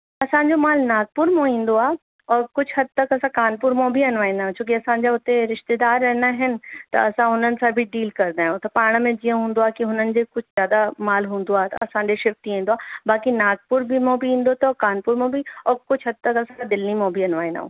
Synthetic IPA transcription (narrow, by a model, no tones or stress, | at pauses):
ɐsãːɲd͡ʑomaːlnaːɡ̪̚pʊɾmõĩːnd̪oaː | ɔːɾkʊt͡ʃʰɦɐd̪̚t̪ɐkɐsãkaːnpʊɾmõbʱiɐnʋaːĩnaõt͡ʃõːk̬iɐsãd͡ʑaʊt̪eɾɪʃt̪ed̪aːɾːɛɦnaɦɪnɪ̆t̪ɐ̰ɐsãɦʊn̤ən̆sãbʱiɖiːlkɐɾd̪aːɦõt̪ɐpaːɽ̃mẽd͡ʒijə̃ɦũːn̆d̪oaːkiɦʊn̤ənɪ̆d͡ʑekʊt͡ʃʰzjaːd̪amaːlɦũːnd̪oaːt̪ɐsãːɲd͡ʑeʃɪft̪iĩːnd̪oaːbaːkinaːɡ̪̚pʊɾbʱimõbʱiɦĩːn̆d̪ot̪okaːnpʊɾmõbʱiɔːɾkʊt͡ʃʰɦɐd̪̚t̪ɐkɐsãd̪ɪlnimõbʱiɐnʋaːĩna̰ɦõ̰ː